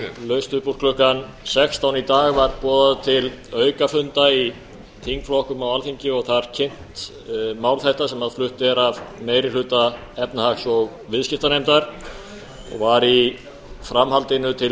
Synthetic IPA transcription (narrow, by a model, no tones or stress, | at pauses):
lœɥst̪ʏpur̥kʰlʏhkan | sɛkst̪aːwnit̪aːɣvaɾpɔːðaðt̪ʰɪlœːɥkafʏnt̪ai | t̪ʰiŋkflɔhkʏmawalθiɲcɪɔɣθaðɾ̥cʰɪn̥t̪ | maːwlθɛht̪asɛmaðflʏht̪ʏɛɾavmeːjɾɪlʏːt̪a | ɛpnahaksɔɣ | vɪðscɪft̪anejmt̪aɾ̥ | ɔ̰ɣvaɾi | fɾamhalt̪ɪnʏt̪ʰɪl